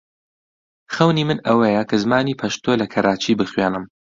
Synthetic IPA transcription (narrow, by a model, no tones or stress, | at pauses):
xɐwnimɨnɐwejɐkʰɐzmaːniːpʰɐʃt̪oːlɐkʰɐɾʔaːt͡ʃʰibɨxweːnɨm